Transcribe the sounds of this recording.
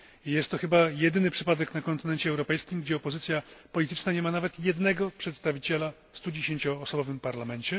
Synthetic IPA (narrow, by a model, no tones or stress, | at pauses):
jɛst̪ːɔxɘbajɛd̪ɘnɘpʂɘpad̪ɛknakɔnt̪ɘnɛnt͡ɕɛɛwɾɔpɛjskʲimɡd͡ʑɛɔpɔzɘt̪sʲjapɔlʲit̪ɘt͡ʂnaɲɛmanavɛt̪jɛd̪nɛɡɔpʂɛt̪st̪avʲit͡ɕɛla | fst̪ud͡ʑeɕeɲt͡ɕɔːsɔbɔvɘmpaɾlamɛɲt͡ɕɛ